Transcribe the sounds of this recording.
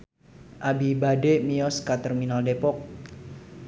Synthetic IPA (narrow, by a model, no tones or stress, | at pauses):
ʔabibademiɔskat̪ɛrminaldepɔk̚